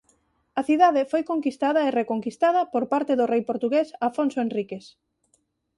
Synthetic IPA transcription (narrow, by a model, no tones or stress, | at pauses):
ɐθiðaðefojkoŋkist̪að̞ɐerekoŋkist̪aðɐpoɾpaɾt̪eðorejpoɾt̪uɣesafonsoenrikes